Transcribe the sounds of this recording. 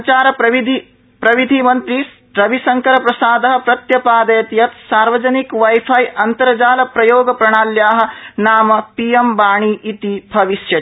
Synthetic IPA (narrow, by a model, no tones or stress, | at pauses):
t͡ʃaːɾɐɐid̪i | pɾɐʋid̪ʱimɐnt̪ɾi | ɾɐʋisɐŋkɐɾɐpɾɐsaːd̪ɐɦɐ̆pɾɐt̪jɐpaːd̪ɐjɐt̪jɐt̪saːɾʋɐd͡ʒɐnikʋɐjpʰajʔɐnt̪ɐɾɐd͡ʒaːlɐpɾɐjoːɡɐpɾɐɳ̃aːljaːɦɐ̆naːmɐpijembaːɳ̃iːʔit̪ibʱɐʋiʃjɐ